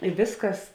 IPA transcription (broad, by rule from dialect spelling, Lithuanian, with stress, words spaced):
ɪ ˈʋʲeːsˌkɐs